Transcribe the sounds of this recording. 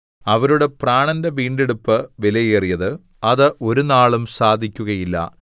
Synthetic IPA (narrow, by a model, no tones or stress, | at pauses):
ɐʋɐɾuɽe̞praːɳɐnde̞ʋiːɳɖeɽupːɨʋelɐjeːrijɐðɨ | ɐðɨʔo̞ɾunaːɭumsaːd̪ʱikʲːuɣɐjilːɐ̰